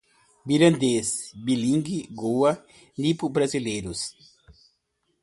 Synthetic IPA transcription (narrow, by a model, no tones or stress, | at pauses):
biɾɐ̃nd̪esbilĩŋɡiɡowɐ | nipubɾazileɾus